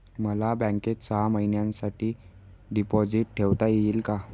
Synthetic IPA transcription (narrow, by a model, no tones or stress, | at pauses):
məlabə̃ŋket̪saaməɦinjãnsaʈʰiː | ɖipɔd͡ziʈ̚ʈʰeʋt̪ajeiːlka